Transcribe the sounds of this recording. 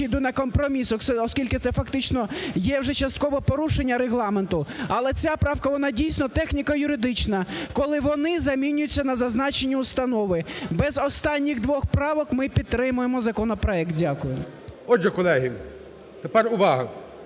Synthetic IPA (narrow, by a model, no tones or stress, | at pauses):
id̪ʊnɐkɔmpɾɔmʲisɔsɛɔskʲilʲkɪt̪sɛfɐkt̪ɪt͡ʃnɔjɛwʒɛt͡ʃɐst̪kɔʋɔpɔɾuʃenʲːɐɾeɦlˠɑment̪ʊɐlˠɛt͡sʲapɾɑwkɐʋɔnɑdʲijsʲnɔt̪ɛxnʲikɐjʊɾɪd̪ɪt͡ʃnɐkɔlˠɪʋɔnɪzɐmʲinʲʊjʊt͡sʲːɐnɐzɐznɑt͡ʃenʲːiʊst̪ɐnɔʋɪbɛzɔst̪ɑnʲːiɣd̪ʋɔxpɾɑʋɔkmɪpʲid̪̚ɾɪmʊjemɔzɐkɔnɔpɾɔɛk̚t̪̚dʲakʊjʊ | ɔd͡ʒɛkɔlˠɛɦi | t̪epɛrʊʋɑɦɐ